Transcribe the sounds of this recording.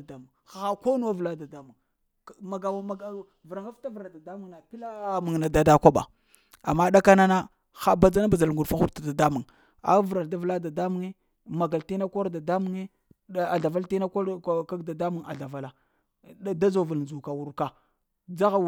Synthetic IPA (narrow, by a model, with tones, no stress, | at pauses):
da˦mu˨ŋxa˨ɣa˦ko˦nu˦wa˦vla˦da˨da˦mu˨ŋ˨ | ma˨ɡa˨m˨ | vɾa˨ŋa˦fta˦vɾa˨da˨da˦mu˨ŋna˨pi˦la˦mu˨ŋna˨da˦da˦kʷa˦ɓa̰˨ | a˨mːa˦ɗa˦ka˦na˦na˦ | xa˦ba˨d͡za˦na˦ba˨za˨lŋɡu˨fa˦xu˦ɾta˨da˨da˦mu˨ŋ | a̰˨˦vɾa˨lda˦vla˦da˨da˦mu˨ŋe˦ | ma˨ɡa˨lti˦na˦ko˦ɾda˨da˦mu˨ŋe˦ | a˨ɮa˨va˦lti˦na˦ko˦ka˦ɡda˨da˦mu˨ŋa̰˨ɮa˨va˨la˨˦ | da˦zo˨va˨lnd͡ʒu˨ka˨wu˨ɾka˨ | d͡za˦ɣa˨